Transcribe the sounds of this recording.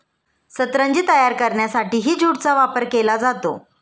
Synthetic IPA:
sət̪ɾaɲd͡ʑiːt̪əjaɾkəɾɳjasaʈiːɦiːd͡ʑuɽt͡saʋapəɾkelad͡zat̪o̰

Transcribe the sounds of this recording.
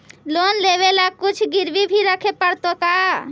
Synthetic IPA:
lonleβelakʊt͡ʃʰɡiɾbibʱiɾəkʰepəɽt̪oka

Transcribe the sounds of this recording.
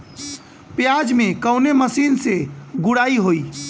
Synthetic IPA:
pjad͡ʒmẽkəʊneməsiːnseɡʊɽaiɦoi

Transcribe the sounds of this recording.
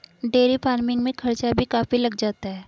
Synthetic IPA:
ɖeːɾipaːɾmɪ̃ŋɡmẽkʰɐɾt͡ʃabʱikaːfilɐɡd͡ʒaːt̪aɦɛː

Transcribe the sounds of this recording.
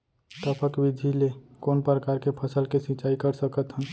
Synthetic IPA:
t̪əpʰəkbid̪ʱilekoːnpɾəkaːɾkepʰəsəlkesĩt͡ʃaːikəɾsəkət̪ɦə̃

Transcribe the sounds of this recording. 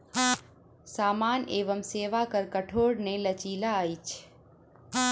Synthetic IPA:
saːmaːneːʋəmseːʋaːkəɾkəʈʰoːɽnẽːlət͡ʃiːlaːit͡ʃʰ

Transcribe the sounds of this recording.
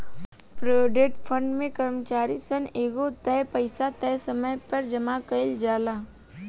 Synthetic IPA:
pɾoːɖeʈfʰə̃ɳɖmẽkɐɾmət͡ʃaːɾisəneːɡot̪ɛːpəɪsat̪ɛːsɐməjpɐɾd͡ʒɐmakəɪld͡ʒaːla

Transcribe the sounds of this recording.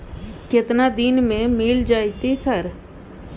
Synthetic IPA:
kɪt̪naːd̪inmẽːmɪːld͡ʒaːit̪eːsəɾ

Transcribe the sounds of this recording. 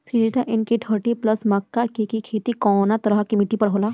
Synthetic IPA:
siliʈaʔɪnkiʈʰəɾʈiplɐsmɐkːakikikʰeːt̪ikɔːnat̪ɐɾəɦkimɪʈːipɐɽ̤ɦoːlaː

